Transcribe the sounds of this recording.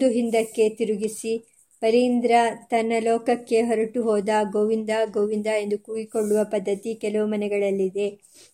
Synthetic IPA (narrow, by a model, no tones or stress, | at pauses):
d̪uɦind̪ɐkːe̞t̪iɾuɡisi | pɐɾind̪ɾɐt̪ɐnːɐlɔːkɐkːe̞ɦɔɾɐʈuɦɔːd̪ɐɡoːʋind̪aɡoːʋind̪ae̞nd̪ukuːɡiko̞ɭːuʋɐpɐd̪ːɐt̪ikɛlɐʋumɐnɛɡɐɭɐlːid̪e̞